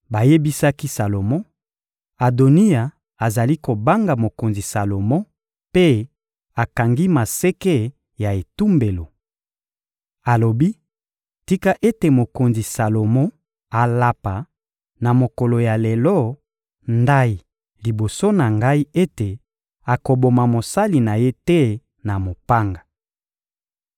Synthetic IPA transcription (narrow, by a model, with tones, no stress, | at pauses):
ba˨je˦bi˦sa˦ki˦sa˨lo˨mɔ̃˦ | a˨do˨ni˦a˨ | a˨za˨li˦ko˨ba˦ŋɡa˨mo˨ko˨nzi˨sa˨lo˨mɔ̃˦ | pe˦ | a˨ka˨ŋɡi˦ma˨se˦ke˦ | ja˨e˨tu˦mbe˨lo˨ | a˨lo˨bi˦ | ti˦ka˦ʔe˦te˨mo˨ko˨nzi˨sa˨lo˨mɔ̃˦ | a˨la˦pa˨ | na˨mo˨ko˨lo˨ja˨le˨lɔ˦ | nda˦i˨ | li˨bo˨so˦na˨ŋɡa˦i˦e˦te˨ | a˨ko˨bo˨ma˨mo˨sa˦li˨na˨je˦te˦ | na˨mo˨pa˦ŋɡa˨